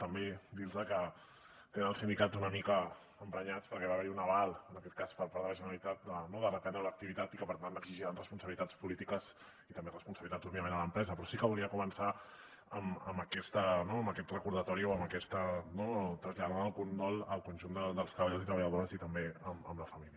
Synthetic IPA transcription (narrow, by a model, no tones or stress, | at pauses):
t̪əmbed̪ilzəkə | t̪enənəlˠsind̪ikad͡zunəmikəː | mpɾəɲat͡spəɾkɛβaβɛɾiunəβalˠənɐkɛt̪̚kaspəɾpaɾðələʒənəɾəlit̪at̪̚d̪ənoðərəpɛnd̪ɾələk̚t̪iβit̪at̪ikəpəɾt̪ant̪əɡziʒiɾanrəspunsəβilit̪at͡spulit̪ikəz | it̪əmberəspunsəβilit̪add͡zoβiəmẽnələmpɾɛzəpɾɔsikəβuliəkumənsa | əməməkɛst̪ənoəməkɛt̪rəkuɾðət̪ɔɾioəməkɛst̪ənot̪ɾəzʎaðaaəlˠkunɾɔləlˠkunʲʒund̪əd̪əlˠst̪ɾəβaʎozit̪ɾəβəʎəðoɾəzit̪əmbeəmə̰mləfɐmiljə